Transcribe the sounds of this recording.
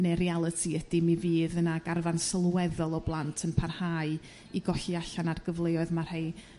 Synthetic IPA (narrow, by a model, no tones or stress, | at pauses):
neɾialˠətʰiəd̥imiviːðənaɡarvansəlˠwɛðɔlˠɔblˠantʰənpʰarhaːɨ | iɡɔɬiaɬanarɡ̥əvlˠejɔɨðmar̥hej